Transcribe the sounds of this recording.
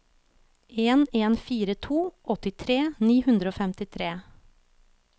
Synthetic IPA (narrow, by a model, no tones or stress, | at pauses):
eːneːnfiːɾət̪ʰuːʔɔt̪ɪt̪ʰɾeːniːhʉnd̪ɾəoːfɛmt̪ɪt̪ʰɾeː